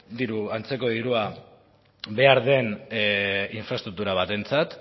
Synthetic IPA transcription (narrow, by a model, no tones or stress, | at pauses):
d̪iɾuant͡se̞ko̞ðiɾua | be̞aɾðe̞n | iɱfɾast̪ɾuk̚t̪uɾaβ̞at̪e̞nt͡sat̪